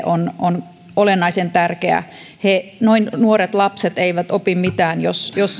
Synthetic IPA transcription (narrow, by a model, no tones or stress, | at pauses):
ʔonon | olenːˑɑisent̪ærkeæ̰ | henoinnuoɾet̪lɑpset̪eiʋæt̪opimmit̪æːnjosjos